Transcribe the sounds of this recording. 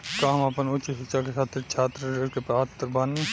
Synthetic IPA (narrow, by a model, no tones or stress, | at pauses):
kaːmapənʊt͡ʃiɦɪkt͡ʃakesʰaːt̪ʰːet͡ʃʰaːt̪ɾəɾeɾkepɾaːt̪ːəɾbaːnːi